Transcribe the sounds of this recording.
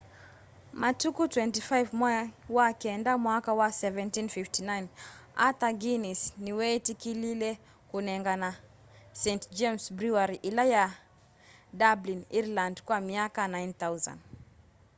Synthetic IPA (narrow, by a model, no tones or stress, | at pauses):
matukutwɛntifajvmwawakɛndamwakawasɛvɛ̃ntinfiftinajnat̪aɡinisniwɛtikililɛ | kunɛŋɡana | sɛntd͡ʒɛmsbɾuaɾiʔilaja | dabliniɾlãndkwamiakanajnθawza̰n